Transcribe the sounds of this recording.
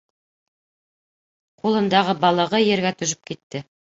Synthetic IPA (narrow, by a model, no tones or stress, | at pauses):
qulˠɤ̆nd̪ɑʁɤbɑlˠɤ̆ʁɤjeɾɡæt̪ɵ̆ʒɵp̚kit̪ːɘ